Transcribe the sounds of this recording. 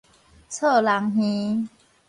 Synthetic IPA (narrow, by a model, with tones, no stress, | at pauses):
t͡sʰə˥˧la˨˦ŋɦĩ˦